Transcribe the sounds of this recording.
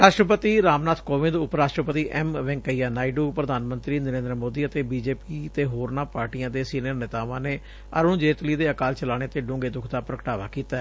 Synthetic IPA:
ɾaːʃʈɾəpət̪iːɾaːmnaːt̪ʰkoːʋɪ̃nd̪ʊpɾaːʃʈɾəpət̪iːʔɛːmʋɪ̃ŋkəiːjaːnaːiɖuːpɾəd̪ʱaːnmə̃nt̪ɾiːnəɾẽːnd̪əɾmoːd̪iːət̪eːbiːd͡ʒeːpiːt̪eːɦoːɾnaːpaːɾʈiːjãːd̪eːsiːnijəɾnɪt̪aːʋãːneː | ə̰ɾõːd͡ʒeːt̪liːd̪eːəkaːlt͡ʃəlaːɽ̃eːt̪eːɖõːŋɡeːd̪ʊkʰd̪aːpɾəkəʈaːʋa̰ːkiːt̪aː

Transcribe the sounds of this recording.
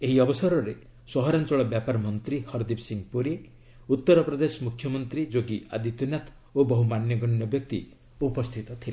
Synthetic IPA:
eɦiɔbɔsɔɾɔɾe | sɔɦɔɾant͡ʃɔɭɔbjapaɾmɔnt̪ɾihɔɾd̪ipsiŋpuɾe | ut̪ːɔɾɔpɾɔd̪esɔmukʰjɔmɔnt̪ɾid͡ʒoɡia̰d̪it̪ɔnjat̪ʰ | obɔɦumanjɔɡɔɳjɔbjɔk̚t̪ḭ | upɔst̪ʰit̪ɔt̪ʰila

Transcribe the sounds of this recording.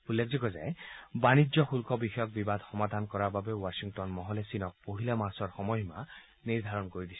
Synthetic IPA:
ulːekʰzikɔza̰ebanid͡ʒɔxulkɔbixɔjɔk̚bibad̪ʱxɔmad̪ʱankɔɾababewasiŋtɔnmɔɦɔlesinɔk̚poɦilamasɔɹxɔmɔjma | niɹd̪ʱaɹɔnkoɹid̪isʰi

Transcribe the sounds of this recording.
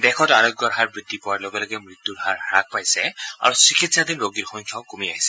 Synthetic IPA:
d̪ɛkʰɔtaɹɔɡɔɦaɹbɹid̪ːipɔwaɹlɔɡɛlɔɡɛmɹit̪ːuɹɦaɹak̚pajsɛa̰ɹusikitsad̪inɹoɡiɹxɔŋkʰjaʊkomiaɦisɛ̥

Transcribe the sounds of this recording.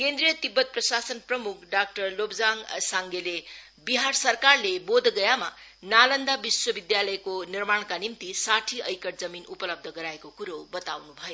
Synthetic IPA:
kend̪rijʌt̪ibːʌt̪̚prʌsasʌnprʌmukʰɖak̚ʈʌrlobd͡zaŋsaŋɡele | biɦarsʌrkarlebod̪ʱɡʌjamanalʌnd̪abiswʌbid̪jalʌjekonirmaɽ̃kanimt̪isaʈʰiʌjkʌʈd͡zʌminupʌlʌb̚d̪ʱʌɡʌɾaekokuɾowbʌt̪awnubʱʌjo

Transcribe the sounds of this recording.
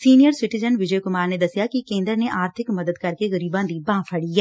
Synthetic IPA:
siːnijəɾsɪʈɪzənʋɪd͡ʒəjkʊmaːɾned̪əsɪjakikẽːnd̪əɾneʔaːɾt̪ʰɪkməd̪əd̪kəɾkeɣəɾiːbãd̪ibãːpʰəɽiːɦɛː

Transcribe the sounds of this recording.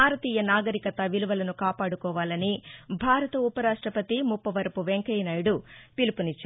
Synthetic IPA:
aːɾɐt̪iːjɐnaːɡɐɾikɐt̪ɐʋiluʋɐlɐnukaːpaːɽukɔːʋaːlɐnibʱaːɾɐt̪ɐupɐɾaːʂʈɾɐpɐt̪imupːɐʋɐɾɐpuʋeŋkɐjnaːjɽupilipunit͡ʃː

